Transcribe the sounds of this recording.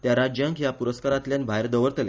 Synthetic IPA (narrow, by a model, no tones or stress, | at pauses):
t̪jaɾad͡ʑjaŋkjapuɾəskaɾat̪ljanbʱaeɾd̪əʋəɾt̪lja